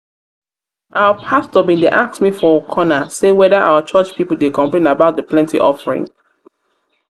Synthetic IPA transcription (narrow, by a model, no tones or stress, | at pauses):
ʔawəpʰastɔbĩdeʔaksmifɔkʰɔnasewɛðəʔa̰wət͡ʃɜt͡ʃpipəlˠdekʰɔ̃mpɹẽnabaʊt̚dəpʰlɛ̃ntḭʔɔ̰fəɹḭ̃ŋ